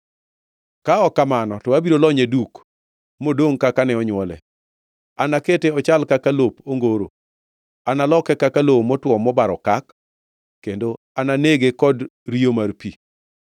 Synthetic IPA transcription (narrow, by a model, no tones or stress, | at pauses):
kaɔkamanɔtɔabiɾolɔɲeduk | modoŋkakanɛɔɲwɔlɛ̰ | anaketeɔt͡ʃalkakalopoŋɡoɾo̰ | analɔkɛkakalowomɔtwɔmɔbaɾɔkakː | kːendo | ananeɡekɔdɾiomarpi